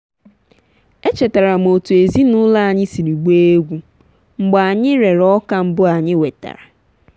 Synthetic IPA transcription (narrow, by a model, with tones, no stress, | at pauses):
e˦t͡ʃe˨ta˨ɾa˨m̩˨o˨tu˨e˨zi˦nʊ˦la˦a˨ɲɪ˦si˨ɾi˨ɡ͡be˦e˦ɡʷu˦ | ŋ͡m̩˨ɡ͡ba˨ɲɪ˦ɾe˨ɾɔ˦ka˦m̩˦bʊ˦a˨ɲɪ˦we˨ta̰˨ɾa˨